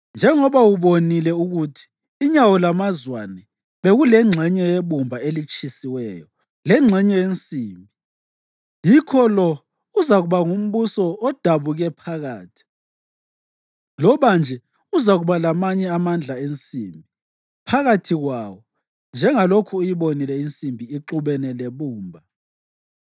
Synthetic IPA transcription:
nd͡ʒʱɛŋɔβawuβonilɛuɣutʰi̥ː | ɲawɔlamazwanɛ | βeɣulɛŋ͡ǁʱɛɲɛjeβumbʱaelit͡ʃʼisiwɛ̰ːjɔ | lɛŋ͡ǁʱɛɲɛjent͡sʼiːmbʱi | jikʰɔlɔ | uzaɣuβaŋum̩βusɔːd̥ʱaβuɣɛpʰaɣaːtʰi̥ | lɔβand͡ʒʱɛ | uzaɣuβalamaɲɛamand͡ɮʱaent͡sʼiːmbʱi | pʰaɣatʰiɣwaːwɔ | nd͡ʒʱɛŋalokʰuːjiβonilɛint͡sʼimbʱiiǃuβɛnɛleβuːmbʱa

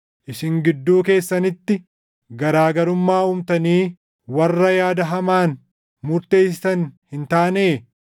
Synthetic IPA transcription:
ʔɪsɪŋɡɪd̪ːuːke̞ːsːɐnɪt̪ːɪ | ɡɐɾaːɡɐɾʊmːaːuːmt̪ɐniː | wɐrːɐjaːd̪ɐɦɐmaːn | mʊɾt̪e̞ːsɪ̥sɐnhɪnt̪aːneː

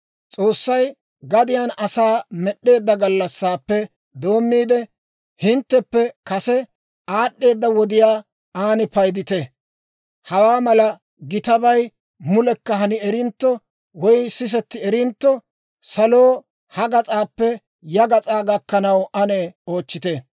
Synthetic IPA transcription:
t͡sʼo̞ːsːɐj | ɡɐd̪ɪjanɐsaːmɛɗːe̞ːd̪ːɐɡɐlːɐsːaːpːɛ | d̪o̞ːmːiːd̪ɛ | hɪnt̪ːɛpːɛkɐsɛ | aːɗːe̞ːd̪ːɐwɔd̪ɪjaː | aːnɪpɐjd̪ɪt̪ɛ | hɐwaːmɐlɐ | ɡɪt̪ɐbɐj | mʊlɛkːɐɦɐnɪɛɾɪnt̪ːɔ | wɔjsɪs̬ɛt̪ːɪɛɾɪnt̪ːɔ | sɐlo̞ː | hɐɡɐt͡sʼaːpːɛ | jɐɡɐt͡sʼaːɡɐkːɐnɐwʔɐnɛo̞ːt͡ʃːɪt̪ɛ

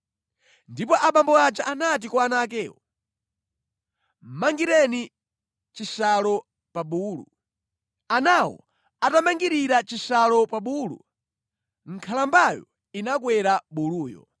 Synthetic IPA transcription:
ndip̬ɔʔaɓambɔat͡ʃaʔanat̬ikwaanak̬ɛːwɔ | maŋɡiɾɛni | t͡ʃisalɔ | paɓuːlṵ | anawɔ̰ | atamaŋɡiɾiɾat͡ʃisalɔpaɓulṵ | ŋ̩kʰalambajɔ̰ | inak̬wɛɾaɓuluːjɔ̰

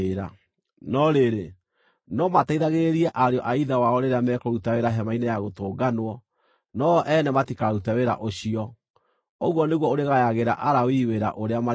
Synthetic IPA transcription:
ɾa̰ | nɔɾeɾe | nɔmataiðaɣeɾiɛʔaɾeɔʔaiðawaɔɾeɾeamɛkɔɾutaweɾaɦɛmainɛjaɣotoːɡanwɔ | nɔʔɛnɛmatikaɾutaweɾa̰ʔoɕiɔ | o̰ɣwɔneɣwɔoɾeɣajaɣeɾa̰ʔaɾawiweɾa̰ʔoɾeama

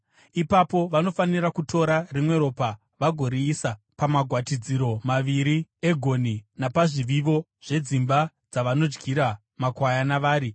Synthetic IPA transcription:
ipapo̞ʋano̞fanirakutʰo̞ɾarimwe̞ɾo̞ːpa | ʋaɡʱo̞ɾiːsa | pamaɡʱwatid͡ziɾo̞maʋiɾie̞ɡʱo̞ninapaʐiʋiʋo̞ | ʐ̥e̞d͡zimba | d͡zaʋano̞d͡ʒɡʱiɾa | makwajanaʋaːɾi

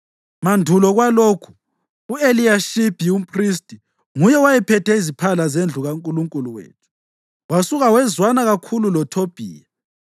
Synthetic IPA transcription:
mandʱulɔɣwaloːkʰu̥ː | eliaʃib̥ʱium̩pʰʼris̬tʼi | ŋujɛwajɛpʰɛtʰɛizipʰalazend͡ɮʱuɣaŋkʼuluŋkʼuluwḛːtʰu̥ | wasuɣawɛzwanaɣakʰululɔtʰob̥ʱḭːja

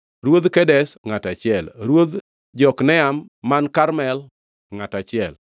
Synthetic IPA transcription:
ɾwod̪kɛdɛsŋatat͡ʃɪɛlɾwod̪ | d͡ʒɔknɛamːankaɾmɛl | ŋatat͡ʃɪɛl

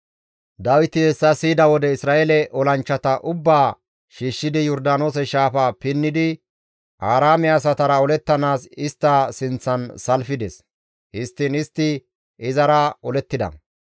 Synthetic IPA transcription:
d̪ɐwɪt̪ɪhɛsːɐsiːd̪ɐwɔd̪ɛɪsɾaːʔelɛʔɔlɐnt͡ʃːɐt̪ɐʔʊbːaː | ʃiːʃːɪd̪ɪjɔɾd̪aːno̞ːs̬ɛʃaːfapɪnːɪd̪ɪ | ʔaːɾaːmɪaːs̬ɐt̪ɐɾɐɔlɛt̪ːɐnaːsɪst̪ːɐsɪnt͡sːɐnsɐlfɪd̪ɛs | hɪst̪ːɪnɪst̪ːɪ | ɪzɐɾɐɔlɛt̪ːɪd̪ɐ̰

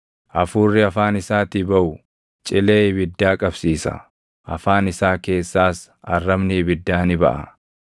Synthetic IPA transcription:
ʔɐfuːrːɪɐfaːnɪsaːt̪ɪbɐʔʊ | t͡ʃʼɪleːɪbɪd̪ːaːkʼɐbsiːsɐ̰ | ʔɐfaːnɪsaːke̞ːsːaːs | ɐrːɐmnɪbɪd̪ːaːnɪbɐ̰ʔɐ̰

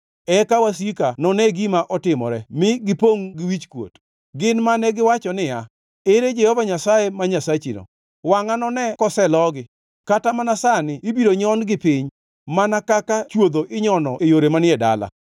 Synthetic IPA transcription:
ɛkawasikanɔnɛɡimaʔɔtɪmɔ̰ɾɛmɪɡɪpoŋɡɪwit͡ʃkwo̰t | ɡɪnmanɛɡɪwat͡ʃɔnɪa | eɾed͡ʒɛhɔvaɲasaemaɲasat͡ʃino̰ | waŋanɔnɛkɔsɛlɔɡɪ | katamanasanɪːbiɾoɲɔnɡɪpɪɲ | manakakat͡ʃwod̪oʔɪɲɔnɔʔejoɾemanɪɛda̰la̰

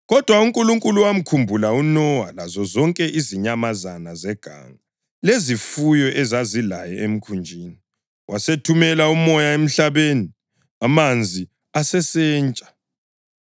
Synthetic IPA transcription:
ɣɔd̥ʱwauŋkʼuluŋkʼuluwam̩kʰumbʱulaunɔwalazɔzɔŋkʼɛʔiziɲamazanazɛɡ̥ʱa̰ːŋa | lezifujɔʔɛzazilajɛem̩kʰund͡ʒʱiːni | wʔasetʰumɛlaumɔjaem̩ɬaβeni | amand͡zʱi | asɛsɛːnt͡ʃʼḁ

